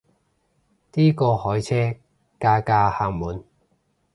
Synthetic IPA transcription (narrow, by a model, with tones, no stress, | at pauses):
t̪iː˥kɔː˧hɔː˨˥jt͡sʰɛː˥ | kaː˧kaː˧haː˧˩ŋmuː˨˥n